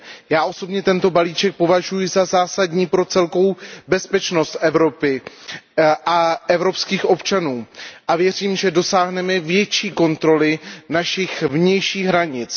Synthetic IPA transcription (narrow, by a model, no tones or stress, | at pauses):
jaːʔo̞so̞bɲɛt̪ɛnt̪o̞baliːt͡ʃɛk̚po̞vaʒujɪzazaːsadɲiːpɾo̞t͡sɛlko̞wbɛspɛt͡ʃno̞st̪ʔɛvɾo̞pɪ | ʔaʔɛvɾo̞pskiːxʔo̞pt͡ʃanuːʔavjɛr̝iːmʒɛdo̞saːɦnɛmɛvjɛt͡ʃiːko̞nt̪ɾo̞lɪnaʃɪxvɲɛjʃiːɣɦɾaɲɪt͡s